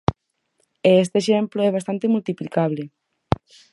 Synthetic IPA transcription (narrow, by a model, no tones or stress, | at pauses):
eest̪eʃemploɛβast̪ant̪emult̪iplikaβ̞le